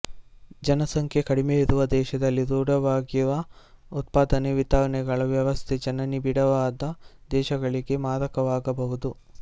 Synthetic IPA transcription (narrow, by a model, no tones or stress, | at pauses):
d͡ʒɐnɐsɐŋkʰjekɐɽimeiɾuʋɐd̪ɛːʃɐd̪ɐlːid̪uːɽɐʋaːɡiʋɐut̪̚paːd̪ɐneʋit̪aːɐnɛɡɐɭɐʋjɐʋɐst̪ʰed͡ʒɐnɐnibiɽɐʋaːd̪ɐd̪ɛːʃɐɡɐɭiɡe̞maːɾɐkɐʋaːɡɐbɐɦud̪u